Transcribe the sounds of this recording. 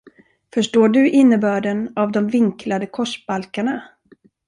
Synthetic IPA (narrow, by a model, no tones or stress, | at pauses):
fœʂʈoːɖɵʔɪnːəbœːɖɛnavd̪ɔmvɪŋkʰlad̪əkʰɔʂb̥alkaɳa